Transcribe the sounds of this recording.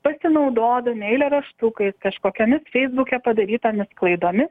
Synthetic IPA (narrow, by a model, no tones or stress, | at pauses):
pɐsʲɪnɐʊd̪oːd̪ɐnʲɛɪlʲɛɾɐʃt̪ʊkɐɪskɐʃkoːkʲoːmʲɪsfʲɛɪzbʊkʲɛpɐd̪ɐɾʲiːt̪omʲɪsklˠɐɪd̪oːmʲɪs